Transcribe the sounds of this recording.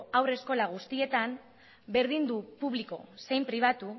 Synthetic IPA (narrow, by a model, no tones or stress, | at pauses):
awre̞sko̞laɣ̞ust̪ie̞t̪am | be̞ɾðind̪upuβ̞liko̞̰se̞jmpɾiβ̞at̪u